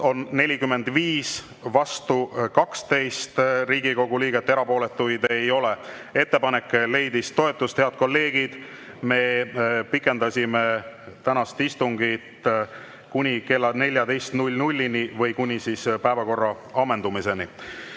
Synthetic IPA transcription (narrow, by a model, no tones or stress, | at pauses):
o̞nːe̞lʲikymːe̞nd̪viːs | vɑst̪ukɑkst̪e̞jst̪riːɡ̥iko̞ɡ̥uliːɡet̪ːe̞ɾɑpo̞ːle̞t̪ːujd̪e̞jo̞le | e̞t̪ːe̞pɑne̞kːˑle̞jd̪ist̪o̞e̞t̪ːˑust̪heɑd̪̥̚ko̞lːe̞ːɡ̥id̪̥ | me̞pikːˑe̞nd̪ɑsʲime | t̪ænɑst̪ist̪uŋɡit̪ | kunʲike̞lːɑne̞lʲjɑd̪e̞jst̪nulʲnulʲːinivɤjkunʲisispæevɑko̞rːɑ | ɑmːe̞nd̪̥umise̞ni